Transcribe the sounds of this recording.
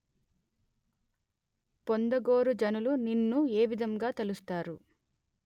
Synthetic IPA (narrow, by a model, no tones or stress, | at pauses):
pond̪ɐɡo̞ːɾud͡ʒɐnuluninːue̞ːʋid̪ɐŋɡaːt̪elust̪aːɾu